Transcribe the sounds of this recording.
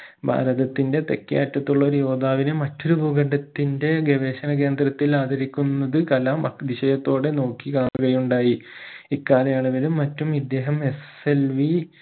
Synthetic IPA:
bʱa̰ːɾɐðɐt̪ːinde̞t̪ekːja̰ːtːɐt̪ːuɭːɐo̞ɾujo̞ːd̪aːʋinemɐtːoɾubuɡɐɳɖɐt̪ːinde̞ɡeʋe̞ːɕɐnɐke̞ːnd̪rɐt̪ːilaːd̪ʱɐɾikʲːunːɐðɨkɐlamɐd̪iɕɐjɐt̪ːo̞ːɽe̞no̞ːkːikaːɳuɣɐjuɳɖaːjiikːaːlɐjaːɳɐʋɐlumːɐtːumid̪ːe̞ːɦɐme̞s | elʋi

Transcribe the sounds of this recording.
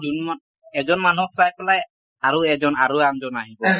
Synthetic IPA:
dʱunmɔn | ɛzɔnmanuɔksajpɛlaj | aɹuɛzɔnaɹuaŋzɔnaɦibɔ

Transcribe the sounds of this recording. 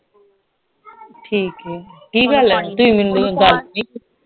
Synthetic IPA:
ʈʰiːkɛːkiːɡɐlɛːt̪ʊĩːmɪnd̪uɡalt̪niː

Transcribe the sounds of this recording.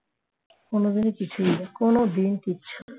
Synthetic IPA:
konod̪inekit͡ɕʰuiekonod̪ink̪itːɕʰo

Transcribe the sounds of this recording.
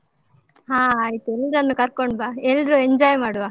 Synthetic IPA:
ɦaːɐjt̪uelːɾɐnːukɐɾkoɳbaːelɾueɲd͡ʒaːjmaːɽuʋaː

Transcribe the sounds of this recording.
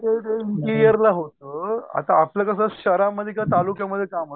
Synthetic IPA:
teʈ̪ekiɾijəɾlaɦot̪əːa̰t̪aːpljakəsaɕəɾaməd̪ʱːjekjat̪alukjaməd̪ʱːjekamo

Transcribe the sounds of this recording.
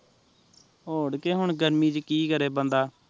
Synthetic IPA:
oːɽkeːɦʊɳɡəɾmiːd͡ʒkiːkəɾeːbənd̪aː

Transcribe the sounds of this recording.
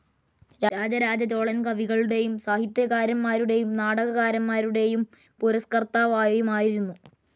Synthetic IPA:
ɾaːd͡ʑɐɾaːd͡ʑɐt͡ɕo̞ːɭɐnkɐʋiɣɐɭuɽe̞jumsaːhit̪jɐɣaːɾɐmːaːɾuɽe̞jumnaːɽɐɣɐɣaːɾɐmːaːɾuɽe̞jum | puɾɐskɐrt̪aːʋaːjɐjumaːjiɾunːu

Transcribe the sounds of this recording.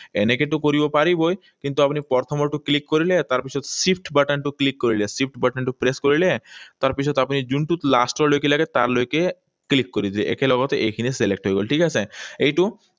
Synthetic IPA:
enekeʈukoɾibɔpaɾiboj | kint̪uapnipɔɾt̪ʰɔmɔɾʈuklikːoɾilet̪aɾpit͡ʃʰɔt̪sipʰʈbaʈaɳʈuklikːoɾilesip̚ʰʈbaʈaɳʈupɾeskoɾilet̪aɾpit͡ʃʰɔt̪apnid͡ʒunʈut̪la̰sʈɔlojkilaɡet̪a̰ɾlojke | klikːoɾid̪ʱileʔḛkelɔɡɔt̪eʔekʰineselek̚ʈɦojɡolʈʰikasʰeejʈu

